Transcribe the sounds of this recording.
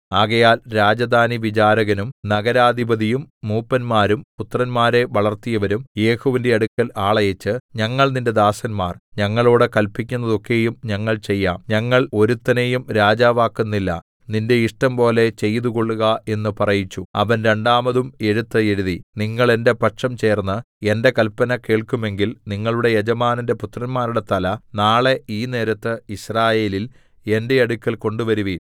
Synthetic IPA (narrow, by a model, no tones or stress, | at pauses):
aːɣɐjaːlɾaːd͡ʑɐd̪aːniʋit͡ɕaːɾɐɣɐnumnɐɣɐɾaːd̪ʱibɐðijumːuːpːɐnmaːɾumput̪rɐnmaːɾe̞ʋɐɭɐrt̪ijɐʋɐɾumje̞ːhoʋinde̞ɐɽukːɐlaːɭɐjɐt͡ɕːɨɲɐŋːɐɭninde̞d̪aːsɐnma̰ːrɲɐŋːɐɭoːɽekɐlpikʲːunːɐðo̞kːe̞ːjumɲɐŋːɐɭt͡ɕe̞jːaːmɲɐŋːɐɭo̞ɾut̪ːɐnejumɾaːd͡ʑaːʋaːkːunːilːɐ̰ | ninde̞iʂʈɐmpo̞ːle̞t͡ɕe̞jt̪uko̞ɭːuɣɐe̞nːɨpɐrɐjit͡ɕːuɐʋɐnɾe̞ɳɖaːmɐðume̞ɻut̪ːɨe̞ɻuðiniŋːɐɭe̞nde̞pɐʈʂɐmt͡ɕe̞ːrnːɨ | e̞nde̞kɐlpɐnɐke̞ːɭkːume̞ŋɡilniŋːɐɭuɽe̞jed͡ʑɐmaːninde̞put̪rɐnmaːɾuɽe̞t̪ɐlɐnaːɭe̞iːne̞ːɾɐt̪ːɨiɕraːje̞ːlil | e̞nde̞ɐɽukʲːɐlko̞ɳɖuʋɐɾuʋi